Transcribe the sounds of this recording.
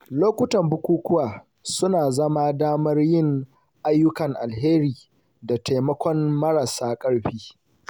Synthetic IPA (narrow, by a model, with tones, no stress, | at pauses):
loː˦kʷʊ˦tɐ˨mbʊ˦kʷuː˦kʷʊ˦waː˨ | sʊ˦naː˨zɐ˦maː˦daː˦mɐ˦rjɪ˦˨ŋ | ʔa˦jːʊ˦kɐ˨ŋʔa˨lɦeː˦ɾiː˨ | da˨tʰa˨mɐ˦kʷɔ˦nmɐ˦ɽa˨saː˦kʼɐ˦ɽɸiː˦